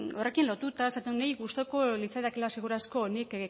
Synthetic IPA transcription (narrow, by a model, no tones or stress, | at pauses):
o̞re̞kinlo̞t̪ut̪aesat̪unejɣust̪oko̞lit͡saðakelaseɣ̞uɾasko̞ːnik